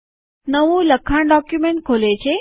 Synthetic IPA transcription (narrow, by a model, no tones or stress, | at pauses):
nəʋũləkʰːãɖɔːkjumeɳʈ̚kʰoːlet͡ɕʰe